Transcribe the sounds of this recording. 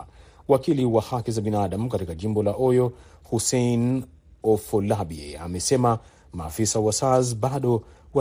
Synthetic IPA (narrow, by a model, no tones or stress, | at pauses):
wakiliwahakizaɓinaɗam̩katikaʄimbɔlaʔɔjɔhusejn | ɔfɔlaɓiḛa̰mɛsɛma | ma̰ːfisawasazɓaɗɔwa